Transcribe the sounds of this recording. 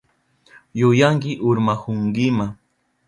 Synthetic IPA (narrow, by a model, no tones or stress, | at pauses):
jʊjaŋkɪʔʊɾmahʊŋɡɪma